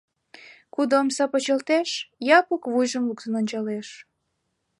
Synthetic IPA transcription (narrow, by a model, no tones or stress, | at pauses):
kud̪oomsɑpot͡ɕəlt̪eʃjɑpukβujʒəmluk̚sənonʲt͡ɕɑleʃ